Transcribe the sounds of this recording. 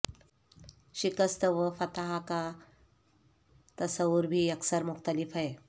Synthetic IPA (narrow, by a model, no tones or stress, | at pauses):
ɕikəst̪əʋəfɐt̪aɦaka | t̪əsəuɾbʱiːɐksəɾmʊxt̪əlifɦaɦe